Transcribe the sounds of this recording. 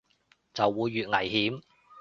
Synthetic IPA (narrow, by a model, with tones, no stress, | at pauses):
t͡sɐ˨wːuː˨˧jːyː˨t̚ŋɐ˨˩jhiː˨˥m